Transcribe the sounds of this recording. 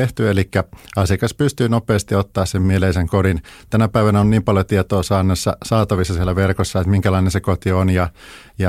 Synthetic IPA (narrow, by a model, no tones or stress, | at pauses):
eht̪yelikːæɑsikɑspyst̪yːnopeːst̪iot̪ːɑːssemmieleiseŋkodint̪ænæpæiʋænæonniːmpɑljot̪iet̪oːsɑːnːesːɑ̰sɑːt̪ɑʋisːɑsielæʋerkosːɑet̪miŋkælɑinensekot̪ionjɑ | jɑ